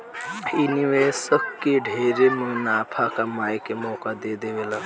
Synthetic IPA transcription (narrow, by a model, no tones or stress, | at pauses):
iniʋesək̚kːeɖʱeːɾemunaːpʰakamaːjkemɔːkad̪eːd̪eʋela